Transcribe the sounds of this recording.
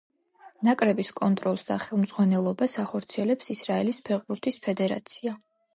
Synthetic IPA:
nakʼɾɛbiskʼɔnt̪ʼɾɔlˠsd̪aχɛlˠmzʁwanɛlˠɔbasaχɔɾt̪sʰiɛlɛpsisɾaɛlispʰɛʁχbuɾt̪ʰispʰɛd̪ɛɾa̰t̪sʰia

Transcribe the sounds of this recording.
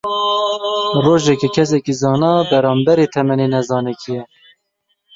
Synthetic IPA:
roːʒɛkɛkʰɛs̬ɛkizɑːnɑːbɛɾɑːmbɛɾeːt̪ʰɛmɛnenɛzɑːnɛkʰijɛ

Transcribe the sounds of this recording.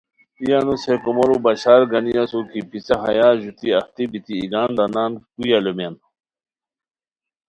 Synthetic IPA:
ijanusekomoɾubɐɕaːɾɡɐnijasukipit͡sɐɦɐjaːʑut̪iɐht̪ibit̪iːɡaːnd̪anaːnkujalomen

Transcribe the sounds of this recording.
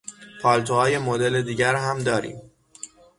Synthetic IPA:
pʰɒːlt̪ʰohɒːje̞mod̪e̞led̪iːɟæɾɦæmd̪ɒːɾḭːm

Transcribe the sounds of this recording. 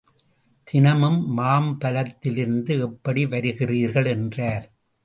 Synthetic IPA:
t̪ɪnɐmɯmːaːmbɐlɐt̪ːɪlɪɾɯnd̪ɯɛpːɐɽiʋɐɾɯɣɪriːɾɣɐɭɛndraːɾ

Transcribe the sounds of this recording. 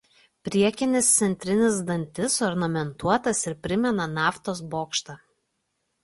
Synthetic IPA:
pʲɾʲiɛkʲɪnʲɪst̪sʲɛnʲt̪ʲɾʲɪnʲɪsd̪ɐnʲt̪ʲɪsɔɾnɐmʲɛnt̪uɔt̪ɐsɪɾpʲɾʲɪmʲɛnɐnɑːft̪oːs̬boːkʃt̪ɐ

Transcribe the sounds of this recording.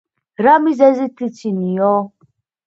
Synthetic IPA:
ɾamizɛzit̪ʰit͡ʃʰinijɔ

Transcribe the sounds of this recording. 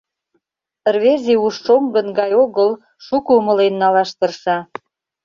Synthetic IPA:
rβeziuʃːomɡə̆nɡɑjoɣəl | ʃukuːmə̆lenːɑlɑʃt̪ə̆rʃɑ

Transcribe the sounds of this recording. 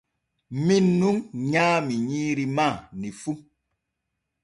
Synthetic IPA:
minːuŋɲamiɲiɾimanifum

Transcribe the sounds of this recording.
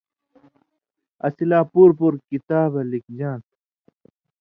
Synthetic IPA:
ɐ̰silaːpuːɾpuɾkit̪aːbɐlik̚d͡ʑãːt̪

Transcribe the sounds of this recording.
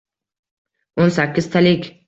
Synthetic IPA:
onsakʲːɪz̥t̪ʰalɪkʲ

